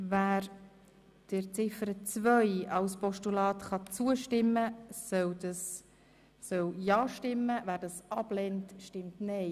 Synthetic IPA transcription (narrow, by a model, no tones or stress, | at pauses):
væːɾ | d̥ɪɾt͡sɪfəɾət͡svœjɑwspɔʃtulɑːtχɑt͡suəʃtɪmːəsœwdɑsː | œwjɑːʃtɪmːəvæːɾdɑsɑb̥lɛntʃtɪmtnɛɪ